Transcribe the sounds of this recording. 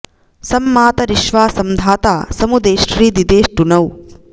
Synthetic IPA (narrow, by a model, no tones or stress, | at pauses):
sɐmːaːt̪ɐɾiʃʋaːsɐmd̪ʱaːt̪aːsɐmud̪eːʃɾiːd̪id̪eːʃʈunɐw